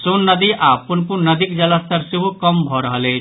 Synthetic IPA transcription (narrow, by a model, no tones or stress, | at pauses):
sonːʌd̪iʔapunpuɾnʌd̪ikd͡ʒɐlast̪əɾseɦukʌmbʱɔɾʌɦəle